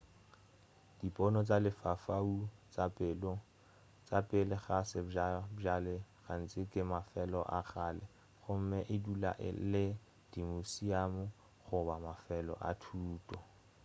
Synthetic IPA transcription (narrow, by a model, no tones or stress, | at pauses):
d̥ipʼɔnɔt͡sʼalɪfafaut͡sapːɔ | t͡sapʼɪlɪχasɪaalɪɣan̩t͡sʼɪkʼɪmafɛlɔʔaχaːlɛ | χʊm̩mɛʔɪdula̰ʔɪ̰lɪ | d̥imosiamʊ | χʊbamafɛlɔ̰ʔa̰tʰuːtʼɔ